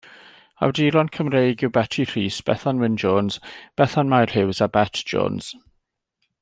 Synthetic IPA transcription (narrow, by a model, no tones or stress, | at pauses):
a̰wdiːɾɔnkʰəmrejɡɪwbɛtʰir̥iːsb̥ɛ̰θanwɪnd͡ʒoːnz̥b̥ɛθanmajr̥hɪwzabɛtʰʒ̥o̰ːnz̥